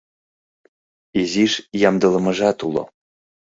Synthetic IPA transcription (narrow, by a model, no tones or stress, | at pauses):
iziʃjɑmd̪əlɤ̆mə̆ʒɑt̪ulo̰